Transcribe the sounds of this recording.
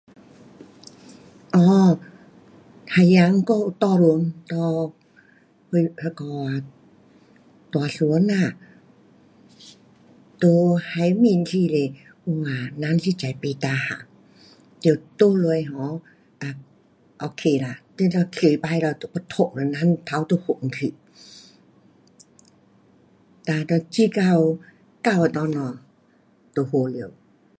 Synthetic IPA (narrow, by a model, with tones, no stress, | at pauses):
ʔɔː˧˦ | t̪ʰa˧˩ja˧˦ŋkɔː˧˨ʔu˧t̪ɔː˧lu˧˨nt̪ɔː˧ | hʰo˧jʰa˧kɔː˧a˧ | t̪ɔ˨a˨su˧˨˦ə˦na˧˩˨ | t̪o˧ha˧˦jmi˧˨nt̪ʰiː˧le˧ | ʔu˧waː˧˩na˧˥˨nsi˧˨t͡ɕa˨˩jpi˧˨t̪aː˧ha̰˧˨ | d̪e˧˩˨wt̪o˧lo˧ə˨jɦɔ˨˧˦ | ʔa˧˩ | ʔo˧kʰe˧la˧t̪e˧˦la˧˩kʰi˧˩˨jba˧˨jla˧˩t̪o˧pa˧t̪ʰo˧˨ŋlɔ˧˨na˧˥˨nt̪ʰa˧˦wt̪o˧ho˧˨ŋ˧kʰi˧˨ | t̪aː˧tɔ˧t͡ɕi˧ka˧w | ka˧˩wa˧t̪ɔ˧˦nɔ˧˩ | t̪o˧ho˧˨le˧˨w